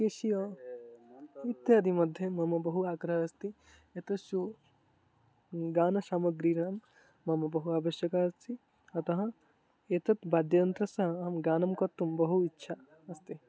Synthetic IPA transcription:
keʃiɐ | it̪ːeɐd̪imɐd̪ʱjɐmɐmɐbɐɦuaːɡɾɐɦɐɐst̪i | et̪ɐʃu | ɡaːnɐʃaːmɐɡɾiːɾaːmː | ɐmɐbɐɦuaːʋɐʃjɐkaːɐst̪ʰi | ɐt̪ɐɦɐ̃ | et̪ɐt̪baːd̪jɐnt̪ɾɐsɐɦɐaːmɡaːnɐmkɐt̪ːumbɐɦuitːʃʰa | ɐst̪i

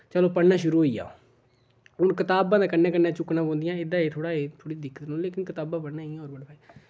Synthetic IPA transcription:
t͡ʃəlõːpəɽnaːʃʊɾuːɦoiːa̰ː | ʊnkɪt̪aːbãːd̪aːkənːẽːkənːãːt͡ʃʊknãːkõːnd̪ɪjãːɪd̪ãːeːt̪ʰoːɽaːeːt̪ʰoːɽiːd̪ɪkːət̪nõːleːkɪnkɪt̪aːbãːpəɽnãːiːaɦoːɾbəɽbʱaːi

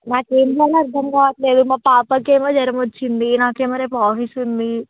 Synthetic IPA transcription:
naːkeːnd̪aːlɐɐɾd̪ʱɐmkaːʋɐʈle̞ːd̪umaːpaːpɐkeːmoːd͡ʒɐɾɐmʋɐt͡ʃːind̪inaːkeːmɐːɾeːpɐaːfisund̪i

